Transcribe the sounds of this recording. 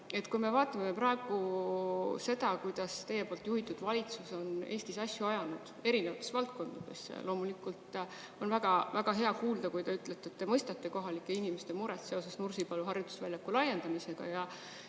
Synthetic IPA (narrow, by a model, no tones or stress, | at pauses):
e̞t̪kujme̞vɑːt̪ːˑɑmeepɾɑeɡ̥u | se̞d̪̥ɑkujd̪̥ɑst̪e̞jːepo̞ːlt̪juhit̪ːˑud̪̥vɑlʲit̪suso̞ne̞ːst̪isɑsjuɑjɑnud̪̥e̞ɾinevɑt̪ːˑesvɑlt̪̚ko̞nd̪̥ɑd̪̥e̞̰sːlʔo̞ːmulikːˑult̪ | o̞nvæɡ̥ɑvæɡ̥ɑɦe̞ɑkuːld̪ɑkujt̪ɑyt̪ːˑlet̪ːeːt̪ːe̞mɤjst̪ɑt̪ːe̞ko̞ɦɑlikːˑe̞inimest̪e̞muɾet̪se̞o̞sesnursipɑluɦɑrjut̪u̥svælʲjɑkːulɑje̞nd̪ɑmise̞ɡ̥ɑ̰jɑ